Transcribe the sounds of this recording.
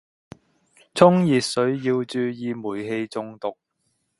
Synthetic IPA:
t͡sʰʊ˥ŋjiː˨sɵ˨˥ɥjiː˧wt͡ʃyː˧jiː˨˧muː˨˩jɦe˧jt͡sʊ˧ŋt̪ʊ˨k̚

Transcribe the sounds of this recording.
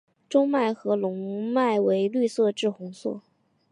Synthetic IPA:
ʈ͡ʂʊ˥ŋma˥˩ɪxɤ˧˥lʊ˧˥ŋma˥˩ɪwe˧˥ɪly˥˧sɤ˥˧ʈ͡ʂɻ̩˥˩xʊ˧˥ŋswɔ̰˥˩

